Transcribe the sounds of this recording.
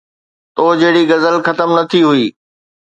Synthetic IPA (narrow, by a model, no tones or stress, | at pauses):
t̪oːd͡ʑɐɦɪɽiɡɐzəlxɐt̪əmnɐt̪ʰiɦʊiː